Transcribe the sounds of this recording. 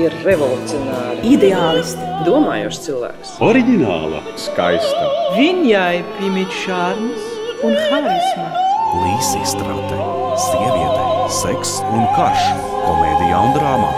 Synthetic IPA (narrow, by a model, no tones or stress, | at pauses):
iɾɾevɔlˠut̪sijɔnaːɾɪid̪eaːlˠst̪d̪uɔma̰ːjuːʃt̪silˠvæ̰ːksɔɾiɡʲina̰ːlˠa̰ska̰jst̪avinjajpɾimit̪ʲʃaɾms | unxajlsmalˠiːsiːst̪ɾawt̪ɛsiɛviɛt̪ɛseksunkaʃɛ | kɔmḛːd̪ija̰und̪ɾaːma̰ː